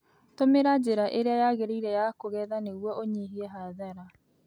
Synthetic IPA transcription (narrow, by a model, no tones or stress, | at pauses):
tomeɾad͡ʑeɾaʔeɾeajaɣeɾeiɾɛjakoɣɛðaneɣwɔoɲeɦiɛɦaðaɾa